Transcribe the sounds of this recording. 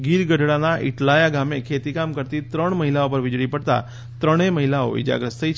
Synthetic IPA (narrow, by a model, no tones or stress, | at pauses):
ɡiɾɡəɖʱɽanaʔɪ̰ʈlajaɡamekʰet̪ikamkəɾt̪it̪ɾəɳməɦilaopəɾʋɪd͡ʒɽipəɽt̪a̰ | t̪ɾəɽ̃eməɦilao̰ḭd͡ʒa̰ɡɾəst̪ʰəit͡ʃʰ